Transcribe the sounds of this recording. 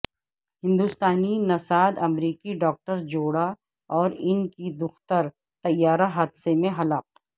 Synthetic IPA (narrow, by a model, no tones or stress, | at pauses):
hɪ̃nd̪uːst̪aːninɐsaːd̪ɐmɾiːkiɖɔːk̚ʈəɾd͡ʒoːɽa | ɔːɾɪnkid̪ʊxt̪əɾ | t̪ɐjːaːɾaɦaːd̪semẽɦɐlaːp̚